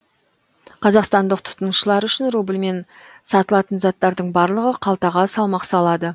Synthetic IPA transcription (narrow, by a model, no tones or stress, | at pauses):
qʰɑzɑqst̪ɑnd̪əqt̪ʰʊ̥t̪ənʃəlˠɑɾʏʃɪnrubɪlme̞n | sɑt̪əlˠɑt̪ənzɑt̪ːɑɾd̪əɴbɑɾlˠəʁəqʰɑlˠt̪ɑʁɑsɑlˠmɑqsɑlˠɑd̪ə